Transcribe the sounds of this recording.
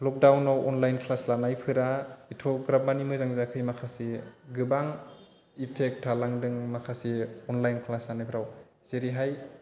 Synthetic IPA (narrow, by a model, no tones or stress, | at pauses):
lɔk̚dawnawʔɔnlajnkʰlaslanajpʰɯɾaitʰɔɡɾamanimɯzaŋzakʰɯjmakʰasiɡɯbaŋ | ipʰek̚tʰːalaŋdɯŋmakʰasiɔnlajnkʰlaslanajpʰɯɾaw | z̥eɾiɦaj